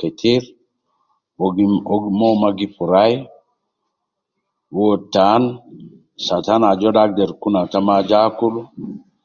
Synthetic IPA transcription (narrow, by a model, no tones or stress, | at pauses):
kɛtʰiɾ | mɔmaɡipuɾaj | wɔtːan | satanad͡ʒɔɗak̚dɛɾkunatamad͡ʒakulu